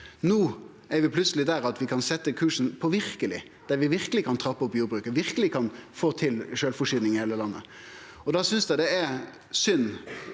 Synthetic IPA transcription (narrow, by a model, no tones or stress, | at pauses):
nuː | æɾʋɪpʰlʉt̪səlɪd̪æɾɑt̪ʋɪkʰɑnsɛt̪ːəkʰʉːʂn̩pʰɔʋɪɾkəlɪ̰ | d̪̥æɾʋɪʋɪɾkəlɪkʰɑnt̪ʰɾɑpːɔpjuːɾbɾʉːkəʋɪɾkəlɪkʰɑnfoːt̪ʰɪlʃøːlfɔʂyːɪŋɪheːləlɑnːə̰ | ɔd̪ɑːsʏnsd̪æɪd̪ɛɛɾ | sʏnː